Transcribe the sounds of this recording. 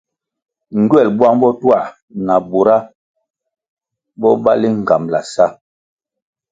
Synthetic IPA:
ŋ̩˨ɡɥɛ˦˨lbwa˦ŋbɔ˦twa˦˨ | na˨bo˨ɾa˦ | bɔ˦ba˦li˦ŋ˨ɡa˨mla̰˨sa˦

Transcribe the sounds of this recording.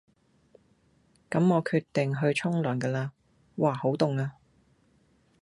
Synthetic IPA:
kɐ˨˥mŋɔː˨˧kʰyː˧t̪ːɪ˨ŋɦɵ˧ɥt͡ʃʰʊ˥ŋlœː˨˩nkɛː˧laː˧ | waː˨˩ho˨˥wt̪ʊ˨ŋaː˧

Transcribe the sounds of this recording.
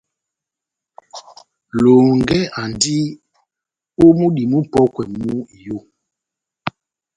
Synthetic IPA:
lo˨ŋɡɛ˦a˨ndi˦ | o˦mu˦ɗi˨mu˦pɔ˦kwɛ˨mu˦˨jo˦˨

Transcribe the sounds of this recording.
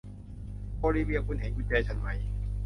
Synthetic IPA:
bɔː˧liː˧wi˧˨ɐkʰu˧˨nɦeː˨˦ŋkʰu˧˥t͡ɕɛː˧˩t͡ɕʰa˧˥nma˦˥j

